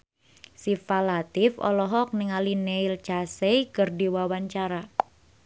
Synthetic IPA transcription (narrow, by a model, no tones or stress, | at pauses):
sifalat̪ɪfɔ̰lɔɦɔk̚niŋalineilt͡ʃasejkɨrdiwawaɲt͡ʃaɾa